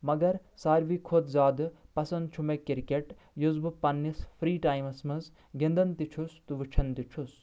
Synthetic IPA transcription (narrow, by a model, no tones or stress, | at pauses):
mɐɡɐɾsaːɾʋiːkʰod̪zʲaːd̪ɨpɐsɐnd̪̚t͡ʃʰumekiɾikeʈ | juzbɨpɐnːispʰɾiːʈaːjmɐsmɐz | ɡĩnd̪ɐnt̪it͡ʃʰust̪uʋɨt͡ʃʰɐnt̪it͡ʃʰus